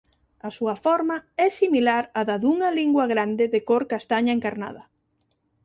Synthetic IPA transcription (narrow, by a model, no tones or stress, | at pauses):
ɐsuɐfɔɾmɐɛsimilaɾaðaðuŋɐliŋɡwɐɣɾand̪ɪðekoɾkast̪aɲaeŋkaɾna̰ð̞ɐ